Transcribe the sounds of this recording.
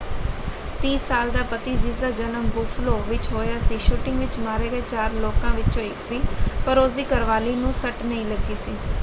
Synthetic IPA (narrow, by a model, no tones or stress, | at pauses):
t̪ĩːsaːld̪aːpət̪iːd͡ʒɪsd̪aːd͡ʒənəmbuːfʰloːʋɪt͡ʃɦoːjaːsiːʃuːʈɪŋɡʋɪt͡ʃmaːɾeːɡəeːt͡ʃaːɾloːkãːʋɪt͡ʃõːɪksiːpəɾosd̪iːkəɾʋaːliːnũːsəʈnəĩːləɡiːsiː